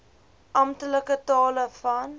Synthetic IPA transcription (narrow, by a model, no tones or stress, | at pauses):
ʔɐmtələkətɑːləfɐn